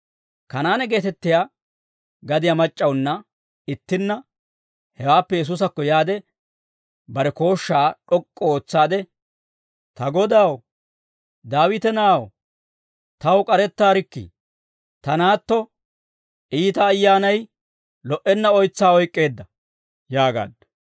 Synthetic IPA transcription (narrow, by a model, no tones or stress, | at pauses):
kɐnaːnɛɡe̞ːt̪ɛt̪ːɪjaː | ɡɐd̪ɪjamɐt͡ʃʼːɐwnːɐ | ɪt̪ːɪnːɐ | hɛwaːpːɛjɛs̬us̬ɐkːɔjaːd̪ɛ | bɐɾɛko̞ːʃːaːᶑɔkʼːɔoːt͡sːaːd̪ɛ | t̪ɐɡɔd̪aw | d̪aːwɪt̪ɛnaːw | t̪ɐwkʼɐɾɛt̪ːaːɾɪkːɪ̰ | t̪ɐnaːt̪ːɔ | ʔiːt̪ɐːjːaːnɐj | lɔʔɛnːɐɔjt͡sːaːɔjkʼːe̞ːd̪ːɐ | jaːɡa̰ːd̪